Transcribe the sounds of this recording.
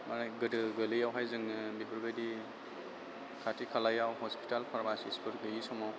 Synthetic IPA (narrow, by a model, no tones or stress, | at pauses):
manajɡɯdɯɡɯlɯjawɦajzɯŋɯbibʰɯɾɡajdi | kʰatʰikʰalajawhɔspʰi̥talpʰaɾmasispʰɯɾdɯjisɔmaw